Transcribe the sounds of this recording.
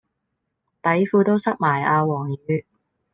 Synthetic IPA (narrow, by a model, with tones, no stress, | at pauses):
t̪ɐ˨˥jfuː˧t̪o˥wsɐ˥k̚maː˨˩jaː˧wɔː˨˩ŋjyː˨˧